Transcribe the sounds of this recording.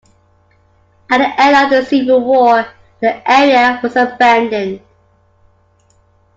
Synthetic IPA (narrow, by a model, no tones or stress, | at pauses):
əʔðiʔɛləðəsivəwɔː | ðiʔɛːɹiəwɒzəbæ̃ndɪ̃n